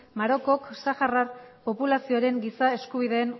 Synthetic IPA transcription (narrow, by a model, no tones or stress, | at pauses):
maɾo̞ko̞ksaxararpo̞pulasio̞aɾe̞ŋɡisae̞skuβ̞iðe̞ːn